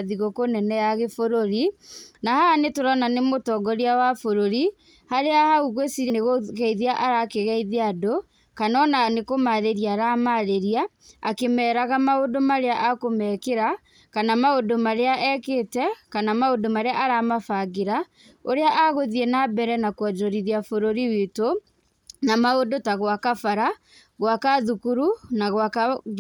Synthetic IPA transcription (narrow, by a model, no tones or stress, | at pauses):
ðiɣokonɛnɛjaɣefoɾoɾinahaːnetoɾananemotɔɡɔɾiawafoɾoɾi | haɾeahauɣwesiɾeneɣoɣɛiðeaʔaɾakeɣɛiðeado | kanɔnanekomaɾeɾiaɾamaðeɾiaː | kemɛːɾaɣamaodomaɾeaʔakomɛkeɾa | kanamaodomaɾeaʔɛkeːtɛkanamaodomaɾeaʔaɾaːmafaɣeɾa | oɾeaʔaɣoðienabɛɾɛnakwɔd͡ʒoɾiðiafoɾoɾiweto | namaodotaɣwakafaɾa | ɣwakaðukuɾunaɣwaka